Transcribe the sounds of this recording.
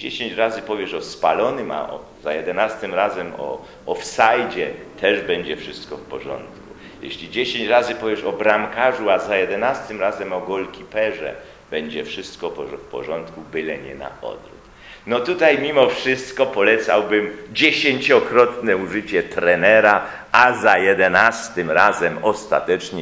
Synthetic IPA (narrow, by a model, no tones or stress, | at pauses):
d͡ʑeɕeɲt͡ɕɾazɘpɔvʲjɛʂɔspalɔnɘma̰ʔɔ̰ | zajɛd̪ɛnast̪ɪmɾazɛmɔ̰ː | fsajd͡ʑɛt̪ʰɛʐbɛɲd͡ʑɛfʂɘst̪kɔfpɔʐɔ̰nt̪ku | jɛ̰ɕlʲid͡ʑeɕeɲt͡ɕɾazɘpɔvʲjɛʂɔbɾamkaʐuazajɛd̪ɛnast̪ɘmɾazɛmɔɡɔlkʲipɛʐɛ̰ | b̥ɛɲd͡ʑɛfʂɘst̪kɔpɔfpɔ̰ʐɔnt̪kubɘlɛɲɛ̰na̰ʔɔ̰d̪ɾṵk̪ | nɔt̪ut̪ajmʲimɔfʂɘst̪kɔpɔlɛt̪sa̰wbɘmd͡ʑeɕeɲt͡ɕɔkɾɔt̪nɛuʐɘt͡ɕɛt̪ɾɛnɛɾa | ʔazajɛd̪ɛnast̪ɘmɾazɛmɔst̪a̰t̪ɛt͡ʂɲɛ